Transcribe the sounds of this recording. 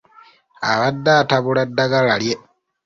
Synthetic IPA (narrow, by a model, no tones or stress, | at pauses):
aβadːaːtaβuladːaɡalalje